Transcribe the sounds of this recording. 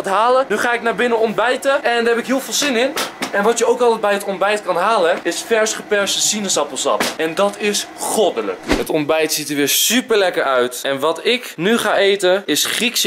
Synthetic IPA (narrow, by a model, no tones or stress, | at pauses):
atɦaːlənyχaːɪknaːbɪnənɔn̚bɛjtəɛndəɹɦɛpɪkɦɪːlˠvɪːlˠzɪnɪnɛnʋɑtjəowkɑlˠtɛd̚bɛjɦətɔnbɛjtkɑnɦaːləɪsfɛɹsχəpɛɹstəsinəsɑpəlˠsɑ̰pɛndɑtɪsχɔdələ̰kɦətɔnbɛjtsitəɹʋɪːɹsypəɹlɛkəɹœɥtɛnʋɑtɪknyχaːʔejtəɪsχriks